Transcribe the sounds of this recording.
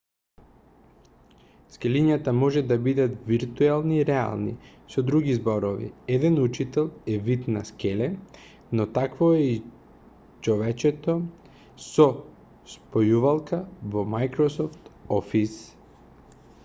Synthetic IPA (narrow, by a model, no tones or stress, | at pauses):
skɛliɲat̪amɔʒɛd̪abid̪at̪viɾt̪uɛlˠniːɾɛa̰lˠnḭ | sɔd̪ɾuɡizbɔɾovḭɛd̪ɛnut͡ʃit̪ɛlˠɛvit̪naskɛlɛ | nɔt̪akvoɛi | t͡ʃɔvɛt͡ʃɛt̪o | sɔ | spojuvalˠkavomajkɾɔsɔft̪ɔfis